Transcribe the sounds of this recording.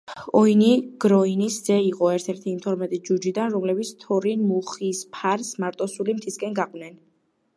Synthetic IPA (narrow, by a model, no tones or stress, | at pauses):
ɔiniɡ̥ɾɔiniszɛiqʼɔɛɾt̪ʰɛɾt̪ʰiːmt̪ʰɔɾmɛt̪ʼid͡ʒud͡ʒid̪anɾɔmlɛbit̪sʰt̪ʰɔɾinmuχispʰaɾsmaɾt̪ʼɔsulimt̪ʰiskʼɛnɡaqʼvnɛn